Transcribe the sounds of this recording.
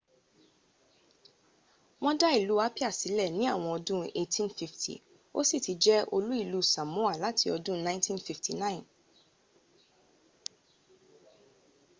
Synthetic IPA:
w̃ɔ̃˦da˦i˦˨lu˨˦a˦pi˦a˦˨si˨˦lɛ˦˨nĩ˨˦a˦˨w̃ɔ̃˧ɔ˧dũ˦e˦˧tʰĩ˦nfi˧ftʰḭ˨ | o̰˦si˦˨ti˨˦d͡ʒɛ˦ʔo˧lu˦i˦˨lu˦˨sã˨mũ˨˦a˦˨la˨˦ti˧ɔ˧dũ˦nã˦tʰĩ˦nfi˧˨ftʰi˨nã˦˨ĩ˨n

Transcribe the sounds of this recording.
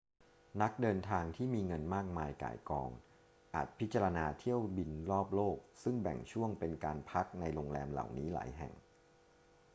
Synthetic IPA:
na˦˥k̚dɤː˧nt̪ʰaː˧ŋt̪ʰiː˥˩miː˧ŋɤ˧nmaː˥˩k̚maː˧jka̰ː˩˦jkɔ̰ː˧ŋ | ʔa̰ː˨˩t̪̚pʰi˦˥t̪̚t͡ɕa˧ɾa˧naː˧t̪ʰi˥˩əwbi˧nɾɔː˥˩p̚loː˥˩k̚sɯ˥˩ŋbɛ̰˨˩ŋt͡ɕʰu˥˩əŋpe˧nkaː˧npʰa˦˥k̚na˧jɾo˧ŋlɛː˧mla̰˨˩wniː˦˥la̰ː˩˦jɦɛ̰˨˩ŋ

